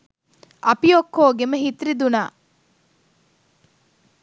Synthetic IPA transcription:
ɐpijokːoːɡemɐɦit̪ɾid̪unaː

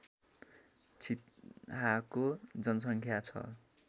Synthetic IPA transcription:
t͡sʰit̪ɦakod͡zʌnʌsʌŋkʰjat͡sʰʌ̰

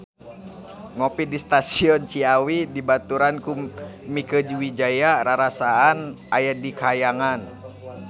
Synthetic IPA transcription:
ŋɔpidist̪asiɔnt͡ʃiawidibat̪uɾankumikəd͡ʒiwid͡ʒajaɾaɾasaːnʔajadikajaŋan

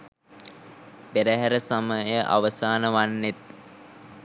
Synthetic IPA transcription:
peɾəɦæɾəsaməjəʔa̰ʋəsaːnəʋanːet̪̚

